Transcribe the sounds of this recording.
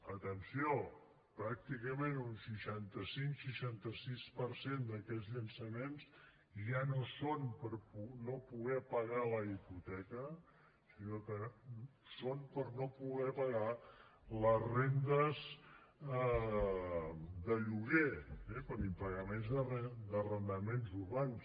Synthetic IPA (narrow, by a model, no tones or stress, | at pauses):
ət̪ənsio | pɾak̚t̪ikəmẽnunsiʃant̪əsiŋkʃəʃant̪əsispəɾsend̪əkɛzʎənsəmens | ʒanosonpəɾpunopuɣɛpəɣaləiput̪ɛkə | sinokə | sonpəɾnopuɣɛpəɣa | ləzrend̪əz | d̪əʎuɣeɛpəɾimpəɣəmenzðərɛd̪ərənd̪əmenzuɾβans